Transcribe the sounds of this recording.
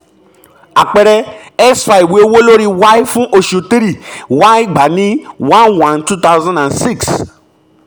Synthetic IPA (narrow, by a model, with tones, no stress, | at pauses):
a˨k͡pɛ˨ɾɛ˧ɛ˦sfa˧i˨we˨˦wo˦lo˦ɾi˦wa˦i˦fũ˦ʔo˧ʃo˨˧ti˦ɾi˦˨wa˦i˦ɡ͡ba˨nĩ˦wã˦nwã˦ntu˦t̪a˦zã˦ndã˨nsi˦˨ks